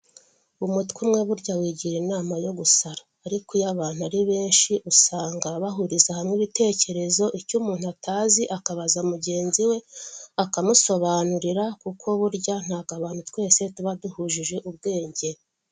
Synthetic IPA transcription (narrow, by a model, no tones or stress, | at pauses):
umutkwimŋe̞βuɾɟawiːɟiɾinaːmajo̞ɡusaɾaːɾikujaβaːn̥uaɾiβe̞ːnʃiʔusaːŋɡaβaɦuɾizahamŋiβite̞ːce̞ɾe̞zo̞ʔicumuːn̥uatʰaːziʔakaβazamuɟe̞ːnziwe̞akamuso̞βaːnuɾiɾakukʰo̞βuɾɟan̥haːɡaβaːnhutkwe̞ːse̞tuβaduhuʒiʒe̞ʔubɡe̞ːɲɟe̞